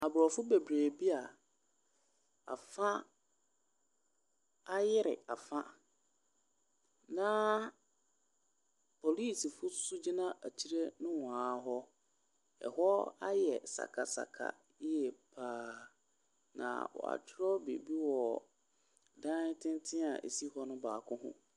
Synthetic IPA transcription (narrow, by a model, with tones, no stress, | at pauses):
a˨bɾɔ˨fʊ˦be˨bɾeː˨bi˦a˨ | a̰˨fã˦ | a˦jɪ˦ɾɪ̰˨a˨fã˦ | nã˦ | pʰo˨liː˦˨si˨fʊ˦sʊ˦d͡ʑi˦nã˦ʔæ˨tʰi˦ɾe˦nʊ̃˦wãː˨˦ɦɔ˦ | ɛ̰˨hɔ˦a˦jɛ˨sa̰˨kʰa˨sa̰˨kʰa̰˨˦ | ɛ˦˨pʰaː˦ | nã̰˨wɔ̰˨a̰˨t͡ɕʰᶣɪ˦ɾɔ˦be˨bi˦wɔ˨ | dã˦n˦tʰɪ̃˦ntʰɪ̃˦a˨ʔḛ˨si˦hɔ˦nʊ̃˦baː˨kʰʊ̃˦ɦʊ̰̃˦